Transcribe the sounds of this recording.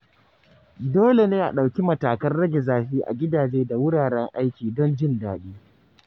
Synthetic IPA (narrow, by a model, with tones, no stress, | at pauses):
doː˦le˨neː˦ʔa̰˨ɗa˨wkʲi˦mɐ˨taː˨kɐ˦nɽɐ˦ɡʲɛ˨zaː˨ɸiː˦ʔa̰˨ɡʲɪ˦daː˨d͡ʒeː˦da˨wʊ˦ɽaː˨ɽɛ˦ŋʔa˦jkʲiː˨dɔ˦nd͡ʒɪ˦ndaː˨ɗiː˦